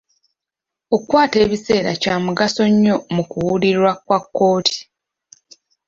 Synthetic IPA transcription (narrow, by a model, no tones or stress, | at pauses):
o̞kwaːte̞ːβise̞ːɾa̰caːmuɡaso̞ɲːo̞mukuwuliɾwakwakːo̞ːtʰi̥